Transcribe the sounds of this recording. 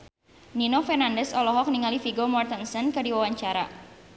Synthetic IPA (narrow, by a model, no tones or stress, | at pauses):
ninofɛrnandɛsɔlɔɦɔk̚niŋalifiɡomɔrt̪ənsɔnkɨdiwawaɲt͡ʃaɾa̰